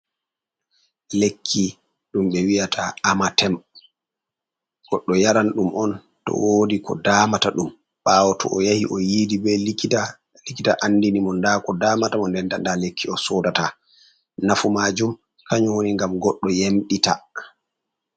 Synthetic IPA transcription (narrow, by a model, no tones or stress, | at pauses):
lekʰːi | ɗumɓɛwijatʰaamatɛm | ɡ̥ɔɗːɔjaɾanɗumʔɔn | tɔ̰woːdikʰɔ̰daːmataɗum | ɓawɔtʰɔ̰ʔɔjahḭʔɔjiːdibɛa | likita̰ʔanːdinimɔndakɔdamatamɔndɛnda̰ndalekʰːiɔsɔdata | nafumaːd͡ʒum | kʰaɲwoniŋɡamɡɔɗːɔjemɗita